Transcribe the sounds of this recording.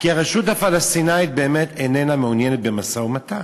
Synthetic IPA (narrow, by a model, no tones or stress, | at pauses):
kiaʁeʃuthafalast̪inait̪̚be̞ːmet̪enename̞unjenet̪̚bemasaumat̪a